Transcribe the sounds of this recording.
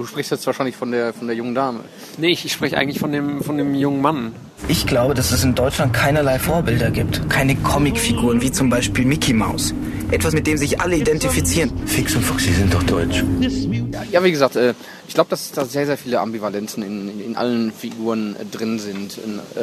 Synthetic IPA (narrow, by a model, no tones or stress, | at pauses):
d̥uːʃpʁ̥ɪçstjɛt͡stv̥aːʃaɪnlɪçfɔndeːɐfɔndeːɐjʊŋəndaːmə̰ | nəɪçʃpʁ̥ɛçəʔa̰ɪɡŋ̩tlɪçfɔndeːmfɔndeːmjʊŋənman | ʔɪçɡ̥laʊbədasɛsɪndɔʏt͡ʃlant̚kʰaɪnɐlaɪfoːɐbɪldɐɡiːp̚tkʰaɪnəkʰɔmɪkfiɡuːʁ̞ənviːt͡sʊmbaɪʃpiːlmikʰimaʊs | ʔɛtv̥asmɪt̚d̥eːmzɪçʔa̰ləidɛntifit͡siːʁənfɪksʊntfʊksz̥izɪnt̚d̥ɔχd̥ɔʏt͡ʃ | ajaːviːɡəzaːk̚tʔɛː | ʔɪçɡ̥laʊbəd̥asd̥aːzeːɐzeːɐfiːləʔa̰mbivalɛnt͡sn̩ɪnɪnʔa̰lənfiɡuːʁəndʁɪnzɪntʔn